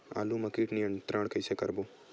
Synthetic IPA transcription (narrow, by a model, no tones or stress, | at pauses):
a̰ːlumɐkiːʈnijɐɳt̪ɾaɳ̃kɐjsekɐɾbo